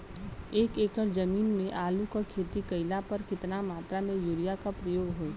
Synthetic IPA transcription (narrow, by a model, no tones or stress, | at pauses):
eːkeːkəɾd͡ʒɐmiːnmẽʔaːlukakʰeːt̪ikɐɪlapɐɾkɪt̪namaːt̪ɾamẽjuːɾijakapɾəjoːɡɦoi